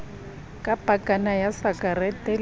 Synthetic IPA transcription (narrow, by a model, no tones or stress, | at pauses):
kʼapʼakʼanajasakʼarɛtʼɛl